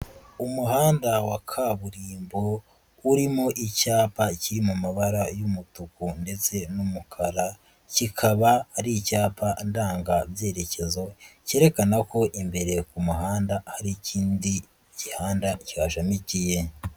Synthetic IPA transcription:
umuɦaːndawakʰaβuɾiːmbo̞ | uɾimo̞ʔicaːpaciɾimumaβaɾajumutukunde̞t͡se̞numukʰaɾa | cikʰaβahːɾicaːpʰandaːŋɡabje̞ːɾe̞ce̞zo̞ce̞ːɾe̞kanako̞ʔimbe̞ɾe̞kumuhaːndahaɾiciːndi | ɟihaːndacihaʃamicije̞

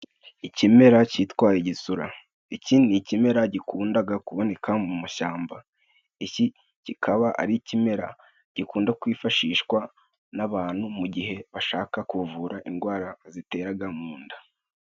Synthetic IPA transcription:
icime̞ɾacitwaːjeɟisuɾa̰ | icinnicime̞ɾaɟikuːndaɡakuβo̞ne̞kʰamumaʃaːmba | ici | cikʰaβaʔa̰ɾicime̞ɾa̰ | ɟ̥ikuːndakwiːfaʃiːʃkwa | naβaːn̥humuɟiɦe̞βaʃaːkakuvuːɾaʔinɡwaːɾazite̞ːɾaɡamuːnda

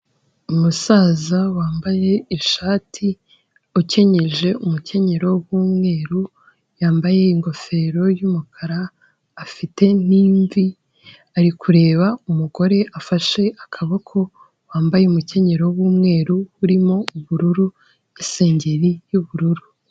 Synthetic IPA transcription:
umusaːzawaːmbaje̞iʃaːtʰi | oce̞ɲe̞ʒe̞umuce̞ɲe̞ɾo̞βuːmŋe̞ːɾu | jaːmbaje̞iŋɡo̞fe̞ɾo̞jumukʰaɾaː | fite̞n̥iːɱvi | aɾikʰuɾe̞ːβaumuɡo̞ɾe̞ʔafaʃe̞ʔakʰaβo̞kʰo̞ | waːmbaje̞umuce̞ɲe̞ɾo̞βuːmŋe̞ːɾuhuɾimo̞uβuɾuɾu | ise̞ːɲɟe̞ɾijuβuɾuɾu

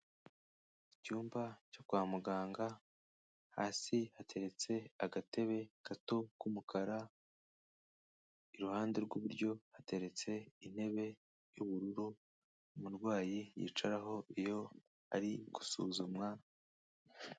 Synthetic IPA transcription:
icuːmbaco̞kwaːmuɡaːŋɡa | ha̰ːsihatʰe̞ɾe̞t͡se̞aɡate̞βe̞ɡ̥atokumukʰaɾa | iɾuhaːnde̞ɾɡwuβuɾɟo̞hate̞ɾe̞t͡se̞in̥he̞βe̞ | juβuɾuɾu | muɾɡwaːjijḭːt͡ʃaɾaɦo̞ijo̞ | aɾiɡ̥u̥suːzumŋa

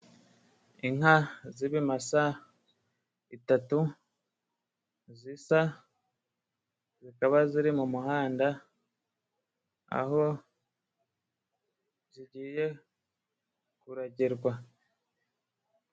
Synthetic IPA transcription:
iŋaziβimasa | itatu | zisa | zikaβaziɾimumuhaːnda | a̰ɦo̞ | ziɟiːje̞ | kuɾaɟiɾɡwa

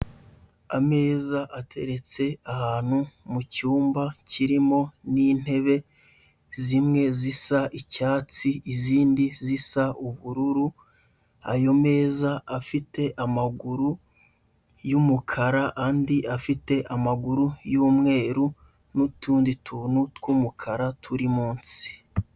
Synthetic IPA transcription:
ame̞ːzaʔatʰe̞̰ɾe̞t͡se̞ahaːn̥humucuːmbaciɾimo̞niːn̥he̞βe̞ | zimŋe̞zisaʔicaːt͡siːziːndizisaʔuβuɾuɾu | ajo̞me̞ːzaːfite̞ʔamaɡuɾu | jumukʰaɾaʔaːndiʔafite̞ʔamaɡuɾujuːmŋe̞ːɾu | nutuːnditʰuːn̥utkumukʰaɾatʰuɾimuːnsi̥

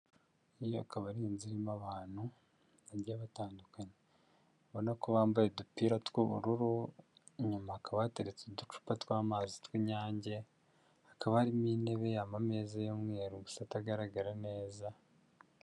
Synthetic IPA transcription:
ijo̰akaβaɾiːnziɾimaβaːn̥hu | aɾjaβataːndukaɲe | aβo̞nakoβaːmbajedupiːɾatwuβṵɾuɾu | ɲumaːkaβateɾet͡sedut͡ʃu̥patwaːmaːzitwiɲaːɲɟe̞ | akaβaaɾimiːne̞βe̞jaːmameːzajomŋeːɾuɡusataɡaɾaɡaɾane̞ːza

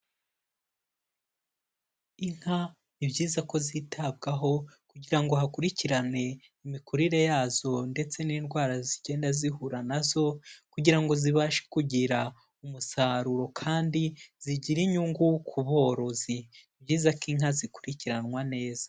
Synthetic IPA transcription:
iŋ̥ha | nibɟiːzako̞zitʰab̚ɡaɦo̞kuɟiɾaŋɡo̞ɦakuɾiciɾane̞ | imikuɾiɾe̞jaːzo̞nde̞t͡se̞ninɡwaːɾaziɟeːndazihuɾanazo̞kuɟiɾaŋɡo̞ziβaːʃe̥kuɟiɾa | umusaɾuɾo̞kʰaːndiz̥iɟiɾiɲuŋɡukʰuβo̞ɾo̞zinibɟiːzakiŋhazikuɾiciɾanŋwane̞ːz̥a

